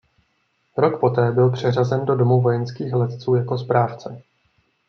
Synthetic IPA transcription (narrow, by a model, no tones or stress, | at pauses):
ɾo̞kpo̞t̪ɛːbɪlpr̝̥ɛr̝azɛndo̞domuvo̞jɛnskiːxlɛt̪t͡suːjako̞spɾaːft͡sɛ